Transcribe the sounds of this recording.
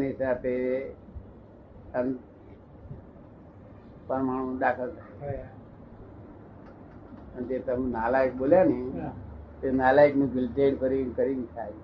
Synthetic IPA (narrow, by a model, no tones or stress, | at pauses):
nisape | ən | pəɾmaɽ̃ũːdakʰəltae | ənt̪et̪aminalaik̚boljani | t̪enalaikmibilʈeɽkəɾiːnkəɾiːnkʰai